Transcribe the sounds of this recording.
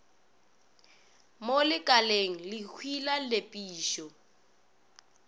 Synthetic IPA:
molɪkʼaleŋ̩lɪkʰwilalepʼiːʃɔ

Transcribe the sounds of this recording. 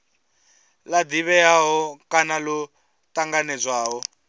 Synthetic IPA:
lad̪iβɛjaɦɔkanalu | taŋɡanɛt͡swaːɦɔ

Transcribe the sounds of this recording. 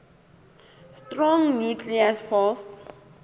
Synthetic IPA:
strɔ̃ŋnjukʰliafɔs

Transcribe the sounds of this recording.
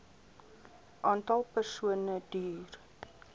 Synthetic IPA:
ʔɑːntɐlˠpərsuənədyːr

